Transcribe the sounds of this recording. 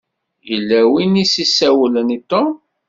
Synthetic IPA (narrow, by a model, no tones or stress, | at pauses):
jəlːæwinisisːæwlənit̪om